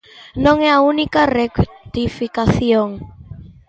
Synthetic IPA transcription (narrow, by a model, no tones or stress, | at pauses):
nõŋɛaunikarekt̪ifikaθioŋ